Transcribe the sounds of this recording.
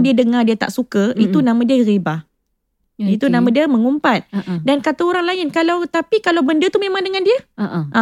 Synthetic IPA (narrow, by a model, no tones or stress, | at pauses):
diədəŋadiət̪a̰ʔsukəit̪unãmãdiəɣibah | it̪unãmãdiəmə̃ŋumpat̪̚dankat̪aoɾaŋlaɪnkalawt̪apikalawbəndət̪uhmẽmãŋdəŋãndiəʔa